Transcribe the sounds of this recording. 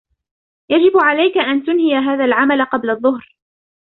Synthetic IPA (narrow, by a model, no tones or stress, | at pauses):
jad͡ʒɪbʕalajkaʔant̪ʊnhɪjaɦaːðalʕamalaqɑblaðˤːʊhɾ